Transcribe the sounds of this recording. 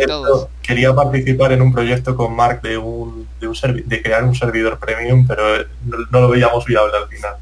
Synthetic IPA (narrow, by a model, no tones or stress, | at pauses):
est̪o̞ke̞ɾiapaɾt̪iθipaɾe̞numpɾo̞ʝe̞k̚t̪o̞ko̞mmaɾk̚d̪eun | d̪eunse̞ɾβid̪e̞kɾe̞aɾunse̞ɾβ̞ið̞o̞ɾpɾe̞mjumpe̞ɾo̞ | nono̞lo̞βe̞iamo̞sβiaβ̞lealfinal